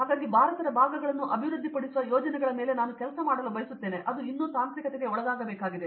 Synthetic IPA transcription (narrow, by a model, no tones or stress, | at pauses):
ɦaːɡaːɡibʱaːɾɐt̪ɐɾɐbʱaːɡɐɡɐɭɐnːuʔɐbʱiʋɾud̪ʱːipɐɽisuʋɐjoːd͡ʒɐnɛɡɐɭɐmeːle̞naːnukɛlɐsɐmaːɽɐlubɐjisut̪ːe̞ːne̞ʔɐd̪uinːuːsaːnt̪ɾikɐt̪eɡe̞ɔɭɐɡ̪aːɡɐbeːkaːɡid̪e̞